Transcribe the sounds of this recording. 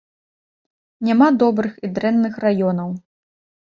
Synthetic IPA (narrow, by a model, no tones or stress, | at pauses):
nʲamad̪ɔbɾɨxid̪ɾɛnːɨxrajɔn̪ɐw